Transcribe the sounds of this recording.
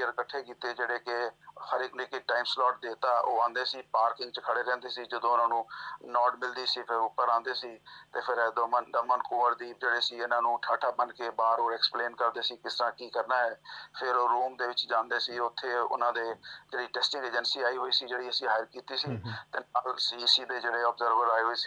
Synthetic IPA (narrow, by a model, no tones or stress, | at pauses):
əɾkəʈʰːeːkiːt̪eːd͡ʒeːɽeːkɪhəɾɪknɪːkeːʈaːimslɔːʈd̪eːt̪aːʔoːãːnd̪eːsiːpaːɾkɪ̃ŋɡt͡ʃəkʰəɽeːɾɛ̃ːnd̪eːsiːd͡ʒəd̪õːʊnãːnũːnɔːɖmɪld̪iːsiːpʰɪɾʊpːəɾãːnd̪eːsiːt̪eːpʰɪɾd̪md̪əmənkoːʋəɾd̪iːd͡ʒeːɽeːsiːʊnãːnũːʈʰaːʈʰaːbənkeːbaːɾoːɾɛkspleːnkəɾd̪eːsiːkɪsɾãːkiːkəɾnaːɦɛːpʰɪɾɾuːmd̪eːʋɪt͡ʃd͡ʒãːnd̪eːsiːʊt̪ʰːeːʊ̰nãːd̪eːd͡ʒeːɽiːʈɛːsʈɪ̃ŋɡeːd͡ʒənsiːaːiːɦoːiːsiːd͡ʒeːɽiːəsĩːɦaːjəɾkiːt̪iːsiːt̪eːnaːlsiːsiːd̪eːd͡ʒeːɽeːɔbzəɾʋəɾaːeːɦoːiːsi̥ː